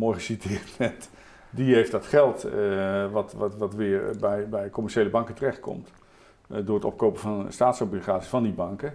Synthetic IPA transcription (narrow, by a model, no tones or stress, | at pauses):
morχəsitɪːɹtmɛt | diɦejftdɑtχɛlˠt | ʋɑttʋɑtʋɪrbɛjbɛjkɔmɛɹʃejləbɑŋkətərɛχt̚kʰɔ̰mt | dʊːrətɔ̰p̚kowpəfɑnstaːtsoblχaːtsifɑndibɑŋkə